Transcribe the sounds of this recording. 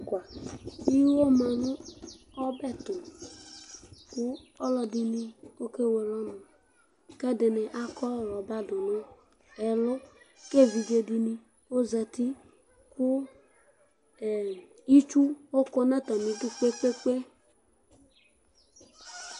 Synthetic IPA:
kʷa˨i˦wo˦ma˨nʊ˦ɔ˦bɛ˦˨tʊ˨ | kʊ˦ɔ˦lɔ˨di˨ni˦o˦ke˦we˨lɔ˦nʊ̃˨ | kɛ˦dɪ˨nɛ˨ʔa˦kɔ˦˨ɾɔ˨ba˦dʊ˨nɔ̃˦ | ɛ˨lɔ˦ke˦˨vi˨d͡ʒe˨di˨ni˨ | o˦za˨ti˦ | kʊ˦˨ | i˦t͡ʃu˦o˦kɔ˦na˦tɔ˨mĩ˨du˦k͡pe˦k͡pe˦k͡pe˦

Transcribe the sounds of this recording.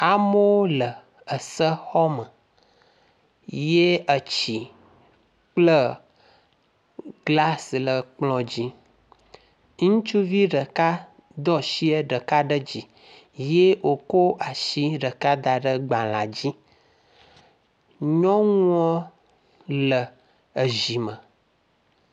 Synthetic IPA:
a˨mo˦o˦lə˨ | ə˨sə˦xɔ˦mə˨ | je˦ə˨t͡ɕi˨ | k͡plə˦ | ɡla˦slə˨k͡plɔ̃˨d͡ʑi˦ | ŋũ˦t͡ʃu˦vi˦ɖə˨ka˦ | d̪ɔ˦ʃi˦ə˦ɖə˨ka˦ɖə˦d͡ʑi˨ | je˦wʔo˨ko˦ʔa˨ʃi˦ɖə˨ka˦d̪a˨ɖə˦ɡ͡ba˨lã˨d͡ʑi˦ | ɲɔ̃˦ŋ˦ɔ̃˦ | lə˨ | ə˨ʒi˨mə˨

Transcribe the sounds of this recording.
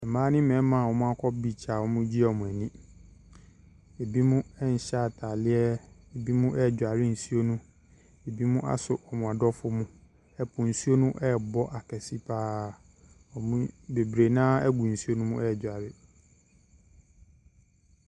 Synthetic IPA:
ɛ˨mãː˦nɪ̃˦mɛ̃˨˦mã˨wɔ˦mʊ̃˦a˦kʰɔ˦bi˨t͡ɕʰa˨wɔ˦mʊ̃˦d͡ʑi˦ɛ˨mʊ̃˨æ˨nĩ˦ | e˨bi˦mʊ̃˦ɛ˦ɲ̩˨ɕa˦˨tʰa˨lɪ˦ɛ˦e˨bi˦mʊ̃˦ʔɛ˦˨d͡ʑᶣa˨ɾɪ˦n̩˨su˦o˦nũ˦ | e˨bi˦mʊ̃˦ʔa̰˦sʊ˨ʔɔ˨mʊ̃˨a˨dɔ˦fʊ˦mʊ̃˦ | ɛ˦pʰʊ̃˨n̩˨su˦o˦nʊ̃˦ʔɛ˦bɔ˦ʔa˨kʰɛ˨si˦pʰaː˦ | ɔ˨mũ˦be˨bɾe˨nãː˦ɛ˦ɡʷũ˨n̩˨su˦o˦nũ˦mʊ̃˦ɛ˦˨d͡ʑᶣa˨ɾɪ˦

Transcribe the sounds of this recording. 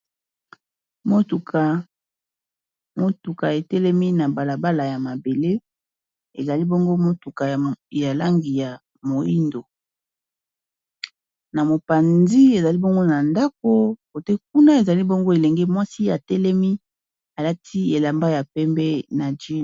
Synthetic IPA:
mo˦tu˨ka˨ | mo˦tu˨ka˨e˨tɛ˦lɛ˦mi˦na˨ba˨la˨ba˦la˨ja˨ma˨be˨le˦ | ḛ˨za˨li˦bo˦ŋɡo˦mo˦tu˨ka˨ja˨la˦ŋɡi˨ja˨ | mo˨i˦ndo˨ | na˨mo˨pa˨nzi˦e˨za˨li˦bo˦ŋɡo˦na˨nda˦k̚o˦ko˨te˦k̚u˦na˦e˨za˨li˦bo˦ŋɡo˦e˨le˨ŋɡe˦mwa˦si˦a˨tɛ˦lɛ˦mi˦ | a˨la˦tʰi˦e˨la˨mba˦ja˨pɛ˦mbɛ˦na˨d͡ʒe˦˨

